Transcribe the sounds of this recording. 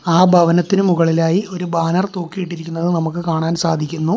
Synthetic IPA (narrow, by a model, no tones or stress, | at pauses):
aːbʱɐʋɐnɐt̪ːinɨmuɣɐɭilaːjio̞ɾubaːnɐrt̪oːkːijiʈːiɾikʲːunːɐðɨnɐmukːɨkaːɳaːnsaːd̪ʱikʲːunːu